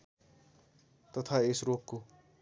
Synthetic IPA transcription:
t̪ʌt̪ʰaesrokko

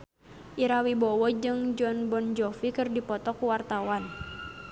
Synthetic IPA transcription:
ʔiɾawibɔwɔd͡ʒɨŋd͡ʒɔnbɔnd͡ʒɔfikɨrdipɔt̪ɔkuwart̪awan

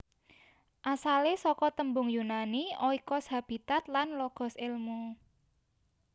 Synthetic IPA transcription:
ʔasalesɔkɔt̪əmbʊŋjunaniɔikɔsɦab̥i̤t̪at̪lanlɔɡ̥ɔ̤sɪlmu

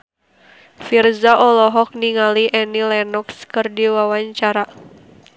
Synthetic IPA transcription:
firzaʔɔlɔɦɔk̚niŋaliʔɛnilɛnɔkskɨrdiwawaɲt͡ʃaɾa

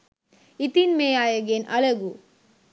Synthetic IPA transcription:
it̪inmeːjaːjɐɡeːnʔɐlɐɡu

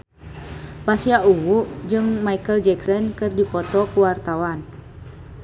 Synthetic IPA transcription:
pasiauŋuʔd͡ʒɨŋmaikəld͡ʒɛksɔnkɨrdipɔt̪ɔkuwart̪awan

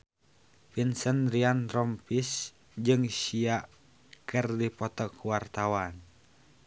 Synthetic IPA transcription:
pinsənɾianɾɔmpis | d͡ʒɨŋsia | kərdipɔt̪ɔkuwart̪awan

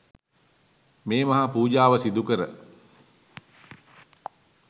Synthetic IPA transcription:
meːmɐɦapuːd͡ʒaːʋəsid̪ukəɾə

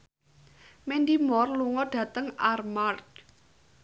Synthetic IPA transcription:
mendimɔrluŋɔɖ̥ä̤t̪əŋarmart̪̚

